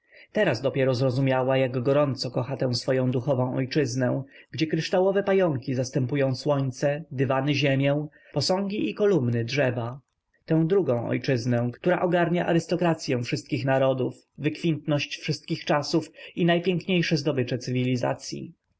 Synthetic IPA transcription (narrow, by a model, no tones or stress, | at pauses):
t̪ɛɾazd̪ɔpʲjɛɾɔzɾɔzumʲjawajaɡɡɔɾɔnt̪sɔkɔxat̪ɛ̃w̃sfɔjɔ̃w̃d̪uxɔvɔ̃ɔ̰jt͡ʂɘznɛ̰̃ɡ̥d͡ʑɛkɾɘʂt̪awɔvɛpajɔŋkʲizast̪ɛmpujɔ̃w̃swɔɲt̪sɛd̪ɘvanɘʑemʲjɛw̃ | pɔsɔ̃ŋɡʲiʔikɔlumnɘdʐɛva | t̪ɛ̃w̃d̪ɾuɡɔ̃w̃ʔɔ̰jt͡ʂɘznɛ̃kt̪uɾaʔɔɡaɾɲaʔa̰ɾɘst̪ɔkɾat̪sʲjɛw̃fʂɘst̪̚kʲixnaɾɔd̪uf | vɘkfʲint̪nɔɕt͡ɕfʂɘst̪̚kʲixt͡ʂasufinajpʲjɛŋkɲejʂɛzd̪ɔbɘt͡ʂɛt̪sɘvʲilʲiza̰t̪sʲjḭ